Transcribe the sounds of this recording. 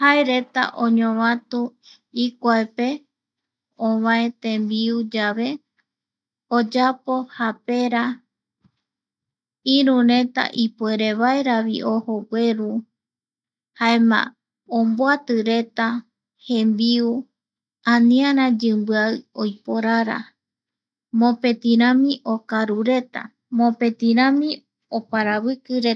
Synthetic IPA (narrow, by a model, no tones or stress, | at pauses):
haeɾe̞t̪a̰ʔõɲõβãt̪u | ikʷaepe̞ | õβãẽ̞t̪ẽmbiud͡ʒaʋe̞ | od͡ʒapo̞hape̞ɾa | iɾũɾẽ̞t̪a̰ʔipueɾe̞βaeɾaβḭʔohoɡwe̞ɾu | haemã̰ | omboat̪ɨɾe̞t̪a | hẽ̞mbiu | ãnĩãɾãd͡ʒɨmbɨaɨojpoɾaɾa̰ | mõpe̞t̪ĩɾ̃ãmĩʔo̞kaɾuɾe̞t̪a̰ | mõpe̞t̪ĩɾãmĩ | opaɾaβɨkɨɾe